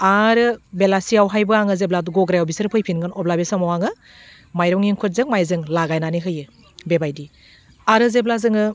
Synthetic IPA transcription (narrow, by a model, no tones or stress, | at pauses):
aɾɯbelasijawɦajbɯaŋɯzebladuɡɔɡɾajawbisɯɾpʰɯjpʰinɡɯnɔblabesamawaŋɯ | majɾɔŋiŋkʰut̚zɯŋmajzɯŋlaɡajnaniɦɯjɯ | bebajdi | aɾɯzeblazɯŋɯ